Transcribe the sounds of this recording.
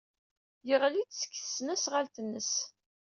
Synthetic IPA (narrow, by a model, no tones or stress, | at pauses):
jəʁlit͡sskːθə̥sːnæsʁalt̪ənːəs